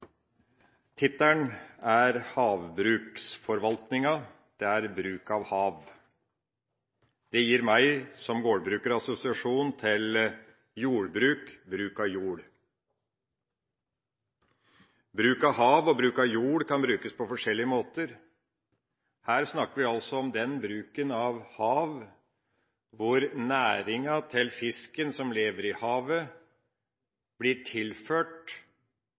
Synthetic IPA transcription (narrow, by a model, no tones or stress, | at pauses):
t̪ʰɪt̪ːæɳæɾhɑːʋbɾʉːksfɔɾʋɑlt̪nɪŋɑ | d̪̥ɛæɾbɾʉːkɑʋhɑːʋ | d̪̥ɛjiːɾmæɪsɔmɡoːɽbɾʉːkəɾɑsʊsɪɑʂuːnt̪ʰɪl | juːɽbɾʉːkbɾʉːkɑʋjuːɽ | bɾʉːkɑɦɑːʋɔbɾʉːkɑʋjuːɽkʰɑnbɾʉːkəspʰɔfɔʂɛlːɪəmoːt̪əɾ | hæːɾsnɑkːəɾʋɪɑlsɔɔmd̪ɛnbɾʉːkənɑʋhɑːʋ | ʋʊɾnæːɾɪŋɑt̪ʰɪlfɪskənsɔmleːʋəɾɪhɑːʋə | b̥lɪʈʰɪlføːʈ